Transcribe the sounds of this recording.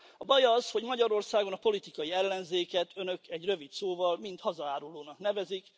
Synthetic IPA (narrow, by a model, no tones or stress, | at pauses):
ɒbɒjɒzho̞ɟmɒɟɒɾo̞rsaːɡo̞nɒpo̞lit̪ikɒjiɛlːɛnzeːkɛt̪ønø̞kɛɟrø̞vit̪soːvɒlmint̪hɒzɒaːɾuloːnɒknɛvɛzik